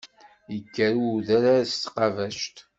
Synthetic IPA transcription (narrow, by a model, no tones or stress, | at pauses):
jəkːəɾuðæɾaɾst̪qɑvæʃt̪